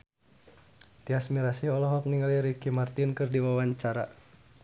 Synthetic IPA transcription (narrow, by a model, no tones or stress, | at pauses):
t̪iasmiɾasiɔlɔɦɔk̚niŋaliɾikimart̪inkɨrdiwawaɲt͡ʃaɾa̰